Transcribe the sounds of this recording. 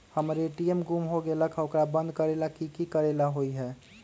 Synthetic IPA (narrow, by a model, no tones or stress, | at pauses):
həmɾeʈiemɡumɦoɡeləkʰokɾabənd̪̚ʱkəɾelakikikəɾelaɦoiɦɛ